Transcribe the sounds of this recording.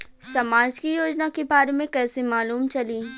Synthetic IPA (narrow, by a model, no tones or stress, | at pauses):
sɐmaːd͡ʒkijoːd͡ʒnakebaːɾemẽkɛːsemaːluːmt͡ʃɐliː